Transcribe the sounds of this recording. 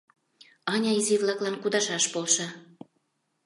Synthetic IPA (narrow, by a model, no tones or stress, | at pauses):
ɑnʲɑiziβlɑklɑnkud̪ɑʃɑʃpolʃɑ